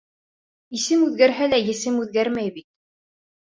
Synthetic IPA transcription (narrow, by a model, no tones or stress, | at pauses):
isɘmʉðɡæɾɦælæjɘ̆sɘmʉðɡæɾmæjbit̪̚